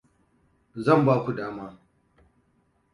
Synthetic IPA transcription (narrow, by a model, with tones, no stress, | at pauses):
zɐ˦˨mbaː˦kʷu˨daː˦maː˦